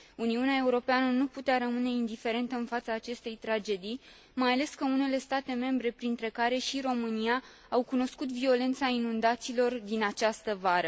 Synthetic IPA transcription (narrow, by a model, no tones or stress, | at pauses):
uniuneae̞uɾo̞peanənuput̪eaɾəmɨne̞ind̪ife̞ɾe̞nt̪əɨnfat̪saːt͡ʃe̞st̪e̞jt̪ɾad͡ʒe̞d̪ij | majale̞skəune̞le̞st̪at̪e̞me̞mbɾe̞pɾint̪ɾe̞kaɾe̞ʃiro̞mɨnija | awkuno̞skut̪vio̞le̞nt̪sainund̪at̪silo̞rd̪inat͡ʃast̪əvaɾə